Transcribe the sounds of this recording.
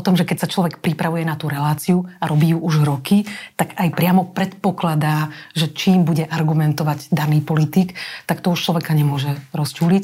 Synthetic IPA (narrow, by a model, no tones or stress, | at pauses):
ɔt̪ɔmʒɛkɛcsat͡ʃlɔʋɛkpɾipɾaʋujɛnat̪uɾɛlaːt͡siuaɾɔbiːjuʔuʒɾɔkit̪aɡajpɾɪamɔpɾɛt̪pɔklad̪aːʒɛt͡ʃiːmbuɟɛʔaɾɡumɛnt̪ɔʋaɟd̪aniːpɔlit̪iːkt̪akt̪ɔuʃt͡ʃlɔʋɛkaɲɛmʊɔʒɛɾɔscuːlic